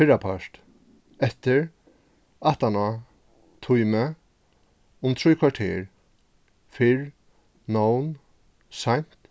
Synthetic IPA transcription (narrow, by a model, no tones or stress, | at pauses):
fɪɹapʰaʂt̪ | ɛt̪ɪɹ | aht̪ana | t̪ʰʊjmə | ʊmt̪ʰɾujkʰvaʈʰḛːɾ | fɪɹ | nown | sajn̥t̪